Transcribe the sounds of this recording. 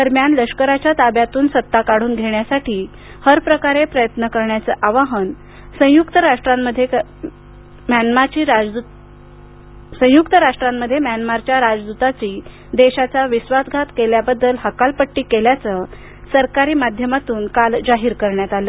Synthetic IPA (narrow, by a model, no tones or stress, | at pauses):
d̪əɾmjanləʂkəɾat͡ɕjat̪abjat̪uːnsət̪ːakaɽuːnɡʱeɳjasaʈʰiː | həɾpɾəkaɾepɾəjət̪nəkəɾɳjat͡səʔaʋaɦən | sə̃jukt̪əɾaʂʈɾaməd̪ʱːje | manmat͡ɕiː | sə̃jukt̪əɾaʂʈɾamːəd̪ʱːjemjanmaɾt͡ɕjaɾad͡zd̪ut̪at͡ɕiː | d̪eɕat͡saʋisʋat̪ɡʱat̪keljabəd̪ːəlɦəkalpəʈːiːkeljat͡sə | səɾkaɾiːmad̪ʱjəmat̪uːnkald͡zaɦiːɾkəɾɳjat̪aləː